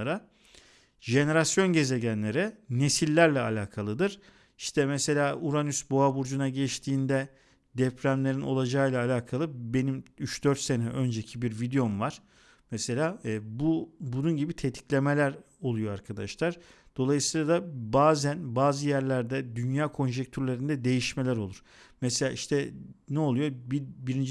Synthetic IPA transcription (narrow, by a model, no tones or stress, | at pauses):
aɾa | ʒe̞ne̞ɾasjo̞nɟe̞ze̞ɟænlʲe̞ɾɛne̞silʲːæɾlʲɛalʲaːkʰalˠɯd̪ɯɾ̥ | iʃt̪ʰɛmɛse̞lʲaːuɾanysbo̞abuɾd͡ʒunaɟɛʃt̪ʰiːnd̪ɛ | d̪ɛpʰɾæmlʲe̞ɾinʔo̞lˠad͡ʒalˠaːlʲaːkʰalˠɯbe̞nimyt͡ʃd̪øɾt̪se̞nɛʔø̞nd͡ʒecʰibiɾvid̪ejo̞mvaɾ̥ | mɛse̞lʲaːbubununɟibit̪ʰet̪ʰi̥clʲe̞me̞lʲæɾ | o̞lˠujo̞aɾkʰad̪a̰ʃlˠaɾ̥ | d̪̥o̞lˠajɯsɯːlˠad̪abaːzænbaːzɯjæɾlʲæɾd̪ɛd̪ynjaːkʰo̞nʒɛc̚t̪ʰyɾlʲe̞ɾind̪ɛd̪e̞jiʃme̞lʲæɾo̞lˠuɾ̥ | mɛse̞lʲa̰ːiʃt̪ʰɛnɛo̞lˠujo̞bibiɾind͡ʒ